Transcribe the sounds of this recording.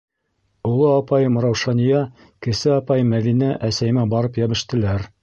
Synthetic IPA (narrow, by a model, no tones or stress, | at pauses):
ulˠɤɑpɑjmŏɾɑwʃɑnijɑ | kɘ̆sɘɑpɑjmæðinæʔæsæjɘ̆mæbɑɾɤpjæβɘ̆ʃt̪ɘ̆læɾ